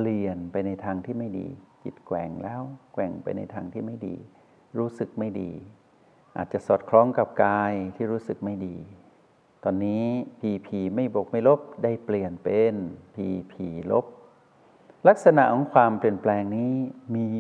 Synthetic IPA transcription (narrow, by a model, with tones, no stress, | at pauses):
li˨˩ənpa˧jna˧jt̪ʰaː˧ŋt̪ʰiː˥˩ma˥˩jdḭː˧kḭ˨˩t̪̚kwɛː˨˩ŋlɛː˦˥˩wkwɛː˨˩ŋpa̰˧jna̰˧jt̪ʰaː˧ŋt̪ʰiː˥˩ma˥˩jdḭː˧˩ | ɾuː˦˥sɯ˨˩k̚ma˥˩jdḭː˧ | ʔaː˨˩t̪̚t͡ɕa˨˩ʔsɔː˨˩t̪̚kʰlɔː˧˥ŋka˨˩p̚kaː˧jt̪ʰiː˥˩ɾuː˦˥sɯ˨˩k̚ma˥˩jdiː˧ | t̪ɔː˧nːiː˦˥pʰiː˧pʰiː˧ma˥˩jbo˨˩k̚ma˥˩jlo˦˥p̚da˥˩jpli˨˩ənpe˧npʰiː˧pʰiː˧˩lo˦˥p̚ | la˦˥k̚sa˧na̰˨˩ʔkʰɔː˨˦˥ŋkʰwaː˧mpli˨˩ənplɛː˧ŋniː˦˥miː˧